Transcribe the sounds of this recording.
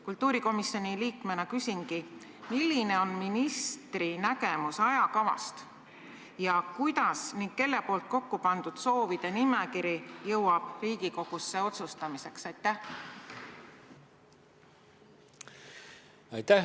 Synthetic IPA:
kult̪ˑːuːɾiko̞misːjo̞niliːkme̞nɑkysʲiŋɡi | milːine̞o̞nminist̪rinæɡe̞musɑjɑkɑvɑ̰st̪ | jɑkujd̪̥ɑsniŋɡ̥ke̞lːe̞po̞ːlt̪̚ko̞kːupɑnd̪̥ud̪̥so̞ːvid̪̥e̞nimekiɾijɤwɑb̥riːɡiko̞ɡ̥usːe̞o̞t̪sust̪ɑmise̞ksɑjt̪ːæh | ɑjt̪æ

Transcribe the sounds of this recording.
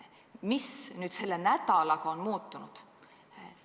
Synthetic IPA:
misnyːd̪̥se̞lːenæd̪ɑlɑkɑonmuːt̪ːˑunud̪̥

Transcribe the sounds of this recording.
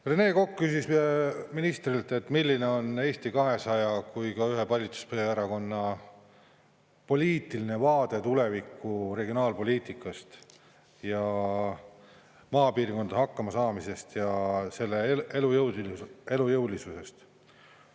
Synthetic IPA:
rene̞ːko̞kːkːysispeminist̪rilt̪ːe̞t̪ːmilʲːine̞o̞ne̞ːst̪ikɑɦe̞sɑjɑkujkɑyɦe̞pɑlʲːit̪su̥spɤjɑeɾɑko̞nːɑ | po̞lʲiːt̪ːˑiline̞vɑːd̪̥e̞t̪ule̞vikːure̞ɡionɑːlpo̞lʲiːt̪ikːˑɑst̪ | jɑ | mɑːpiːrko̞nd̪ɑɦɑkːɑmɑsɑːmise̞st̪jɑse̞lːeelujɤw̪e̞lujɤwlisuse̞st̪

